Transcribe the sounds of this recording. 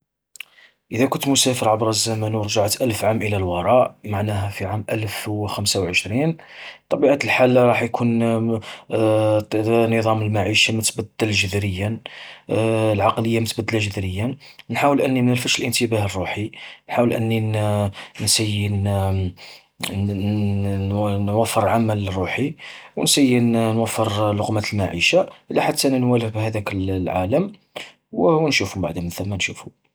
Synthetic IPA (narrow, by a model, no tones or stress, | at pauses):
ʔəd̪ækʊnt̪mʊsæfəɾˤʕabɾˤɑzːæmənwɾʒaʕt̪ʔəlfʕamʔəlælwɑɾˤɑʔmaʕnæɦæfiʕamʔəlfwxæmsawʕəʃɾin | t̪ˤːɑbiʕat̪əlħalːɾˤɑħjkʰun | nəðˤɑməlmaʕiʃamət̪bæd̪ːəlʒəd̪ɾəjːə | lʕɑqləjːamət̪bæd̪ːəlaʒəd̪ɾəjːənħawəlʔənːimnəlfəʃəlʔənt̪əbæhərˤːuħinħawəlʔə̰nːi | nsəjːən | nwæfːəɾˤʕamælərˤːuħiwənsəjːənnwæfːəɾlʊqmat̪əlmaʕiʃaʔəlːiħat̪ʰːæʔnænwæləfbhæd̪ækəlːʕaləm | wwnʃufʊmba̰ʕd̪əmənθəmːænʃufu